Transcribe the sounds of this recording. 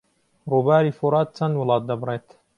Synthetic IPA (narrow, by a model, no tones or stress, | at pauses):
ruːbaːɾiːfuɾˤɑːt̪̚ːt͡ʃɐnwʊlˠɑːt̪̚d̪ɐbɾˤeːt̪